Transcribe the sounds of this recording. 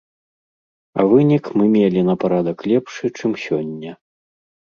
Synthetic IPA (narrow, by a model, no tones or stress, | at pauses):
ɐ̰vɨnʲikmɨmʲelʲinɐpaɾad̪ɐklʲɛpʂɨt͡ʂɨmsʲɔnʲːɐ